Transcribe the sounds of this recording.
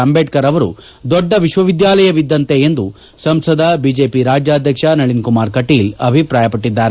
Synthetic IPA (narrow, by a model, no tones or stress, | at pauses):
ɐmbeːʈ̚kɐɾɐʋɐɾṵ | d̪ɔɖːɐʋiʃʋɐʋid̪jaːlɐjɐʋid̪ːɐnt̪e̞end̪u | sɐmsɐd̪ʱɐbid͡ʒeːpiɾaːd͡ʒjaːd̪ʱjɐkʂɐnɐɭinkumaːɾkɐʈiːlɐbʱipɾaːjɐpɐʈːid̪ːaːɾe